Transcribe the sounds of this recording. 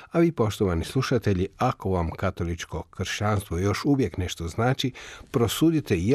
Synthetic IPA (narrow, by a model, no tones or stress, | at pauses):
aʋiːpo̞ʃt̪oʋanislˠuʃat̪e̞ʎiako̞ʋamkat̪o̞lit͡ʃko̞kr̩ʃt͡ɕanst̪ʋo̞jo̞ʃuʋje̞kne̞ʃt̪oznaːt͡ʃipɾo̞suːd̪it̪ej